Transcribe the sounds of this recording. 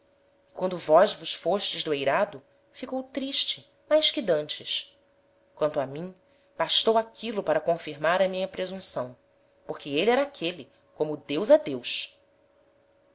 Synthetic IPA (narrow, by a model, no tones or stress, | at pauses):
ɪ̥kwɐ̃nd̪ʊvɔzvʊʃfoʃt͡ʃɪzd̪uejɾad̪ʊ | fikowt̪ɾiʃt͡ʃɪ | majskɪd̪ɐ̃nt͡ʃɪs | kwɐ̃nt̪ʊamĩ | b̥aʃt̪owakʰilʊpaɾɐkõfiɾmaɾɐmĩɲɐpɾezũsɐ̃w̃ | poχkɪeliɛɾakʰeli | kõmʊd̪ewzɐd̪ewʃ